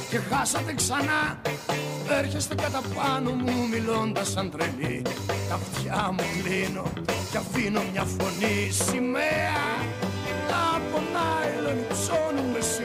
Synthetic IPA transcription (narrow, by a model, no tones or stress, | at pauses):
ce̞xɐsɐt̪eksɐnɐ | eɾçe̞st̪ekɐt̪ɐpɐno̞mumilo̞nd̪ɐsɐnd̪ɾelit̪ɐft̪çɐmuɣɾino̞ | cɐfino̞mɲɐfo̞nisimeɐ | lɐponɐilonipsonumes